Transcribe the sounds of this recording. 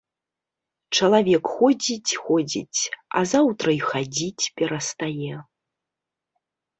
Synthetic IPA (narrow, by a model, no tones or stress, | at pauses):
t͡ʂɐlˠavʲɛkxɔd͡zʲit͡sʲxɔd͡zʲḭt͡sʲɐ̰zawt̪ɾɐixad͡zʲit͡sʲpʲɛɾɐst̪ajɛ